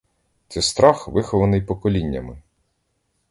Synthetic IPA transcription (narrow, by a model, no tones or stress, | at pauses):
t̪sɛst̪ɾɑxʋɪxɔʋɐnɪjpɔkɔlʲinʲːɐmɪ